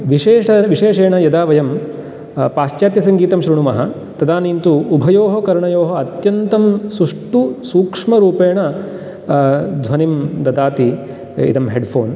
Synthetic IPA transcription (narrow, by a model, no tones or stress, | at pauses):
ʋiʃeːʂɐʋiʃeːʂeːɳɐjɐd̪aːʋɐjɐm | paːst͡ʃjaːt̪jɐsɐŋɡiːt̪ɐmʃɾiɳumɐɦɐ | t̪ɐd̪aːniːnt̪uːbʱɐjoːɦɐkɐɾɳɐjoːɦɐɐt̪jɐnt̪ɐmsuʂʈusuːkʂmɐɾuːpeːɳɐ | d̪ʱʋɐnimd̪ɐd̪aːt̪i | ḭd̪ɐmɦeɖpʰoːn